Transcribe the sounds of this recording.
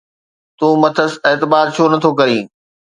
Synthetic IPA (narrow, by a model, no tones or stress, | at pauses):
t̪ũːmɐt̪ʰəseːt̪ɪbaːt̪̚t͡ɕʰoːnɐt̪ʰokɐɾĩː